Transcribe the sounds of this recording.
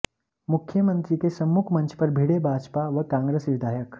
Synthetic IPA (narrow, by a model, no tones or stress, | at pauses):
mukʰːjəmənt̪ɾikesəmːukʰmənt͡ʃʰpəɾbʱiɽebʱad͡ʒpaʋəkãŋɡɾesʋid̪ʱajək